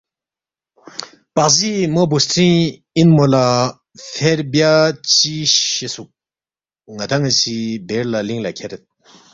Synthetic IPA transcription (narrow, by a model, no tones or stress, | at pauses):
pasimobostʰiŋ | inmola | fʰɛɹbjat͡ɕiɕesuʔ | ŋat̪ʰaŋat͡ɕʰibɛɹlaliŋlakʰeɾet̪̚